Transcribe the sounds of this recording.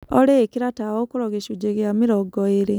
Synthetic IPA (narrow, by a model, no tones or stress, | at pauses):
oɾekiɾatawokuɾɔɣeʃud͡ʒeɣjamiɾɔɡɔeɾe